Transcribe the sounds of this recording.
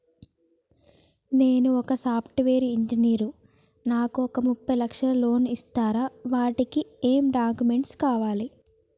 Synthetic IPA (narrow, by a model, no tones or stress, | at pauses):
ne̞ːnuɔkɐsaːpʰʈʋe̞ːɾiːɲd͡ʒiniːɾu | naːkuɔkɐmupːɐjlɐkʂɐlɐlo̞ːnist̪aːɾaːʋaːʈikieːmɖaːkume̞ɳʈskaːʋaːli